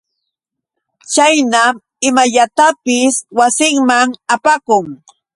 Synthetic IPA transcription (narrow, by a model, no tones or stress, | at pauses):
t͡ʃajnam | ɪmaʎat̪apɪswasɪŋmaŋapakʊŋ